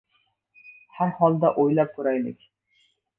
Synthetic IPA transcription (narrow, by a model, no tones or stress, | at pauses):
hæɾhɒlˠd̪aʔojlap̚t̪ʰʊɾajlɪ̰kʲ